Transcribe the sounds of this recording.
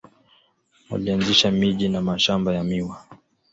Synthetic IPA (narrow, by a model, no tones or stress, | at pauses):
wa̰lianziʃamiʄinamaʃambajamiwa